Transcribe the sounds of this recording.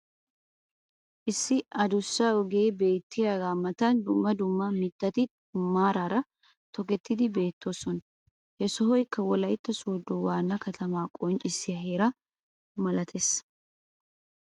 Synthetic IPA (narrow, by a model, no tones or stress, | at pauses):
ʔɪsːɪɐd̪ʊsːɐɔɡe̞ːbe̞ːt̪ːɪjɐɡaːmɐt̪ɐnd̪ʊmːɐd̪ʊmːɐmɪt̪ːɐt̪ɪ | maːɾaːɾɐ | t̪ɔkɛt̪ːɪd̪ɪbe̞ːt̪ʰːoːsɔn | hɛsɔɦɔjɪkːɐwɔlɐjɪt̪ːɐsoːd̪ːʊwaːnːɐkɐt̪ʰɐmaːkʼɔnt͡ʃʼɪsɪɐɦeːɾɐ | mɐlɐt̪ʰes